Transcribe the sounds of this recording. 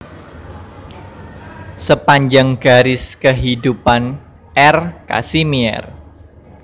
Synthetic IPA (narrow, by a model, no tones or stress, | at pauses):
səpaɲd͡ʒaŋɡ̥a̤ɾɪskəɦidupan | ʔɛrka̰simiɛ̰r